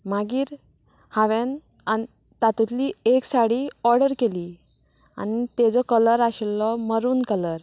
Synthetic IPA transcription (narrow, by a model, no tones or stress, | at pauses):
maɡiːɾ | haʋɛn | ai | t̪at̪ut̪lieksaɽiɔɾɖəɾkeli | a̰nit̪ɛd͡zɔkələɾaɕɛlːɔməɾuːnkələɾ